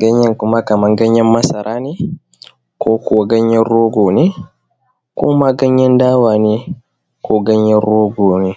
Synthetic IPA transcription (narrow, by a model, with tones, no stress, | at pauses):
ɡa˦ɲːa˦ŋku˦ma˦ka˨mɐ˦ŋɡɐ˦ɲːa˦mːɐ˦sa˨ɾʔaː˦ni˦ | kɔː˦kuwaɡa˦ɲːɛ˦ɾɔː˦ɡo˨ni˦ | kɔ˦ma˦ɡa˦ɲːɛ˦ndaː˦waː˨ni | kʰɔː˨ɡa˦ɲjɛ˦ɾɔː˦ɡoː˨ni